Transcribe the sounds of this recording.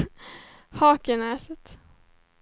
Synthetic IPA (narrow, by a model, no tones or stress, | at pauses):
hɑːkənɛːsət̪